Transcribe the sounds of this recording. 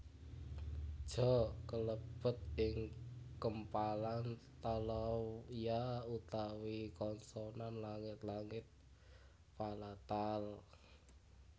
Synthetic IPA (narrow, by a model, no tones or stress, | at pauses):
d̥ʒ̥ɔkələb̥ət̪̚ɪŋkəmpalant̪alɔjaut̪awikɔnsɔnanlaŋɪt̪laŋɪt̪̚ | palat̪al